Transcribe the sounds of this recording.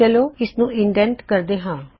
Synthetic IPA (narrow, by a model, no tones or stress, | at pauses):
əloːɪsnũːɪɳɖɛ̃ɳʈkəɾd̪eːɦãː